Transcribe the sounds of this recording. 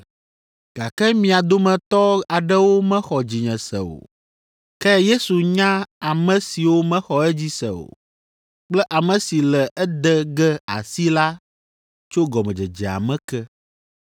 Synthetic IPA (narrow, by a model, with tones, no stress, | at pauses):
ɡ̥a˨kɛ˦mĩ˨a˨d̪o˦mɛ̃˨t̪ɔ˦a˨ɖɛ˦wo˦mɛ̃˦xɔ˨d͡ʑi˨ɲɛ̃˨sɛ̰˨o̰˨ | kɛ˦je˦su˨ɲã˦a˨mɛ̃˦si˨wo˦mɛ̃˦xɔ˨ɛ˦d͡ʑi˦sɛ̰˨o̰˨ | k͡plɛ˦ʔa˨mɛ̃˨si˨lɛ˨ʔɛ˦d̪ɛ˦ɡɛ˦a̰˨si˦la˦ | t͡ʃo˦ɡɔ˨mɛ̃˨d͡ʒɛ˨d͡ʒɛ˨a̰˨mɛ̃˦kɛ˦